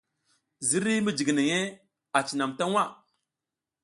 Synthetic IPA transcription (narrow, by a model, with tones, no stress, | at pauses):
zi˦ɾi˦mi˦d͡ʒi˨ɡi˨ne˨ŋe˦ | a˨t͡ʃi˨na˨mta˦ŋwa˦˨